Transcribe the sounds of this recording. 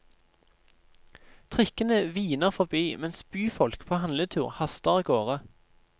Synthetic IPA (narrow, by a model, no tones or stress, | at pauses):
t̪ʰʁɪkənəʋiːnəʁfɔʁbiːmɛnsbyːfɔlkpʰoːhɑnlət̪ʰʉːʁhɑst̪əʁiːɡoːʁə